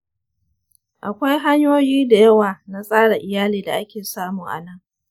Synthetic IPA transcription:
ʔa˨kʷa˦jɦa˦ɲjoː˦jiː˦da˨jɐ˦waː˨na˦sʼaː˦ɽa˨ʔɪ˨jaː˦liː˨da̰˨ʔa˦kʲeː˨saː˦muː˨ŋʔa̰˨nɐ˦ŋ

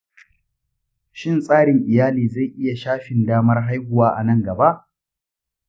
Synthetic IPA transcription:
ʃɪ˦nsʼaː˦ɽɪ˨ŋʔɪ˨jaː˦liː˨za˦˨jʔɪ˦ja˨ʃaː˦ɸɪ˨ndaː˦mɐ˦rɦa˦jɡʷʊ˨waː˦ʔa˨nɐ˦˨ŋɡɐ˨ba˦ʔ

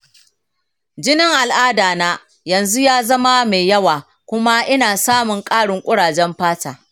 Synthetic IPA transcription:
d͡ʒɪ˦nɪ˦ŋʔa˨lʔaː˦daː˨naː˦ | jɐ˨nzu˦jaː˦zɐ˦ma˦me˨jjɐ˦waː˨ | kʷʊ˦ma˦ʔɪ˦naː˨saː˦mʊ˨ŋkʼaː˦ɽɪ˨ŋkʷʼʊ˦ɽaː˨d͡ʒɛ˦mɸaː˦taː˨

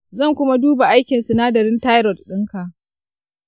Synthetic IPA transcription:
zɐ˦˨ŋkʷʊ˦ma˦duː˦ba˨ʔa˦jkʲɪ˨nsʊ˨naː˦dɐ˨ɾɪ˦nta˦jɾɔ˨d̚ɗɪ˦ŋka˨ʔ

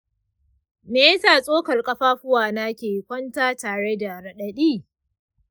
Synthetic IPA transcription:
meː˨˦jsaː˨sʼoː˦kɐ˨rkʼɐ˦ɸaː˦ɸʊ˦waː˨na˦kʲeː˨kʷɐ˦ntaː˦taː˨ɽe˦da˨ɾɐ˨ɗɐ˨ɗiː˦˨

